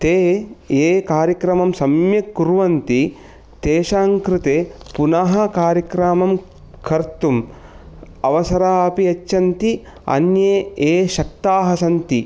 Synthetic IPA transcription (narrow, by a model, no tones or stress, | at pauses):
t̪eːeːkaːɾjɐkɾɐmɐmsɐmjɐkːuɾʋɐnt̪i | t̪eːʃaːŋkɾɪt̪eː | punɐɦɐkaːɾjɐkɾaːmɐm | kʰɐɾt̪um | ɐʋɐsɐɾaːɐpiɐt͡ʃːɐnt̪i | ɐ̰njeːeːʃɐk̚t̪aːɦɐsɐnt̪i